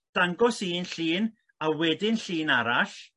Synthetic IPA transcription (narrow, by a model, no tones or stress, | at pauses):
d̥aŋɡɔsiːnɬiːn | awɛdɪnɬiːnaɾaɬ